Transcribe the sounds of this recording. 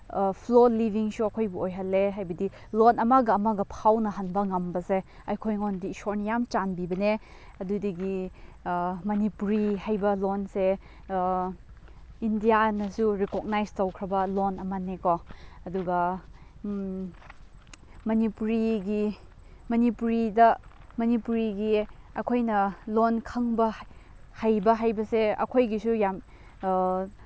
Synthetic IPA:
pʰlolibʱiŋsuɐkʰojbuʔojɦalːeɦajbɐdi | lɔnɐmaɡɐːmaɡɐpʰawnɐɦanbɐŋɐmbɐse | ɐjkʰojŋɔndisɔɾnijamt͡ʃanbibɐne | ɐdudɐɡi | mɐnipuɾihajbɐlɔnse | indijanɐsuɾikok̚najstowkʰɾɐbɐlonɐmɐnːekoɐduɡɐ | mɐnipuɾiɡi | mɐnipuɾidɐmɐnipuɾiɡiɐkʰojnɐlonkʰɐŋbɐ | hajbɐɦajbɐseɐ̰kʰojɡisujam

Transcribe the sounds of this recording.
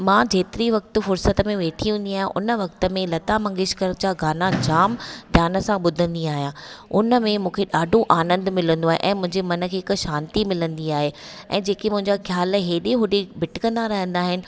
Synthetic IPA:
mãːd͡ʑeːt̪ɪɾiʋɐk̚t̪ʊfʊɾsət̪əmẽʋeːʈʰiũnd̪iaːɦjã̰ʔʊnəʋɐk̚t̪ə̆mẽlɐt̪amɐ̃ŋɡɪʃkəɾt͡ɕaɡaːnad͡ʑaːmd̪ʱjaːnə̆sãɓʊd̪ʱə̃nd̪iaːɦijãːʊnəmẽmũːkʰeɗaːɖʱũʔaːnə̃nd̪mɪlə̃nd̪oaːɦḛʔɛ̃ːmʊ̃ɦɪ̃ɲd͡ʑemɐnə̆kʰeːɪkʃãːnt̪imɪlə̃nd̪iaːɦe | ɛ̰̃ːd͡ʑeːkimʊ̃ɦɪ̃ɲd͡ʑaxʰjaːlɦeːɗeɦʊɖibʱɪʈɪkɐ̃nd̪aɾɐɦə̃nd̪aːɦɪnɪ̆

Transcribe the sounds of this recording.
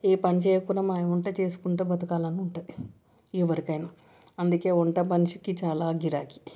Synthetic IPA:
eːpɐnit͡ʃeːjɐkunɐmaːjuɳʈɐt͡ʃeːsu̥kuɳʈeːbɐt̪ɐkaːlɐnuɳʈaːji | iːʋɐɾikɐjna | ɐnd̪uke̞ːuɳʈɐpɐnt͡ʃukit͡ʃaːlaːɡiɾaːki̥

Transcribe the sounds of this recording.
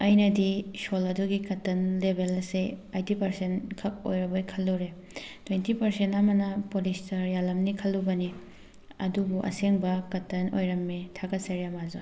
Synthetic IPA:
ɐjnɐdisolɐduɡikɐtɐnlebʱelseajtipɐɾsenkʰɐk̚o̰jɾɐbojkʰɐlːuɾe | tʰwejntipɐɾsentɐmɐnɐpolistɐɾjalɐmnikʰɐlːubɐni | ɐ̰dubuʔɐ̰seŋbɐkɐtɐno̰jɾɐmːitʰaɡɐsɐɾijamazo

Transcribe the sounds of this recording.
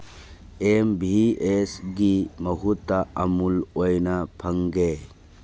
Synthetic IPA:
embʱiesɡimɐɦutːaɐmulojnɐpʰɐŋɡe

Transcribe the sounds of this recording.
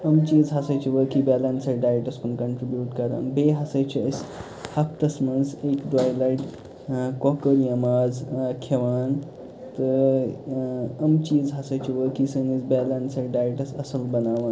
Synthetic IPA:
əmt͡ɕiːzɦasajt͡ɕiʋəkibɛlənsɐɾɖajʈɐskunkɐɳʈɾibjuːʈkɐɾa̰ːnbeɦasajt͡ɕʰiəs | hɐk̚ʰt̪ɐsmənsekɖʋajlajʈ | kɔkəɾjɐmaːd͡zkʰeʋaːn | t̪ə | əmt͡ɕiːzɦasajt͡ɕiʋəkisənisbɛlɐnsɐɾɖajeʈɐsɐsəlbɐnaʋaːn

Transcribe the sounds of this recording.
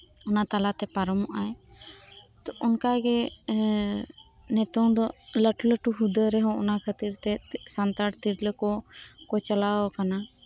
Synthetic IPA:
ɔnat̪alat̪ɛpaɾɔmɔʔaj | t̪ɔʔɔnkaɡɛ | nɛt̪ɔŋd̪ɔləʈuləʈuɦud̪əɾɛɦɔ̃ɔnakʰət̪iɾt̪ɛsant̪aɽt̪iɾləkɔkɔt͡ʃalaɔkana

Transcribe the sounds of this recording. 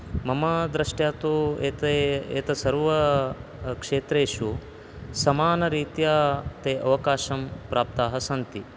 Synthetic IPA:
mɐmɐd̪ɾɐʂʈjaːt̪ueːt̪eːt̪ɐsɐɾʋɐ | kʂeːt̪ɾeːʂu | sɐmaːnɐɾiːt̪jaːt̪eːʔɐʋɐkaːʃɐmpɾaːp̚t̪aːɦɐsɐnt̪i

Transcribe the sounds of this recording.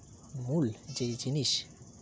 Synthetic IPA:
muld͡ʑejd͡ʑiniʃ

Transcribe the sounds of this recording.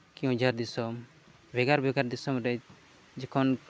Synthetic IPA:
kiũd͡ʒaɾd̪isɔm | bʱɛɡaɾbʱɛɡaɾd̪isɔmɾɛ | d͡ʒɛkʰɔn

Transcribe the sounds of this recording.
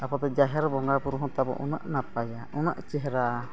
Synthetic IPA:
apɔt̪ɛd͡ʒaɦɛɾbɔŋɡaɾpuɾɦɔ̃t̪abɔ̰ʔṵnə̰ʔnapajaunəʔt͡ʃɛɦɾa

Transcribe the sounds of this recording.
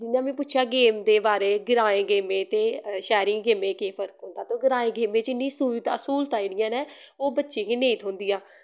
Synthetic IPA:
d͡ʒɪnjãːmɛ̃ːpʊtːʃʰjaːɡeːmd̪eːbaːɾeːɡɪɾaːẽːɡeːmẽːt̪eːʃɛːɾĩːɡeːmẽːkeːpʰəɾkɦʊ̃nd̪aːt̪õːɡɪɾaːẽːɡeːmẽːt͡ʃɪnːĩːsuːt̪asuːlt̪aːiɽɪjãːnɛ̃ːoːbətːʃẽːkeːnẽːĩːt̪ʰʊ̃ːnd̪ijãː

